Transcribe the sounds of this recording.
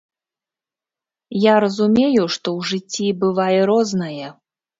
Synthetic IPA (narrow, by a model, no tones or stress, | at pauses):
jaɾɐzumʲejuʂt̪ɔwʐɨt͡sʲːibɨvajɛɾɔznɐjɛ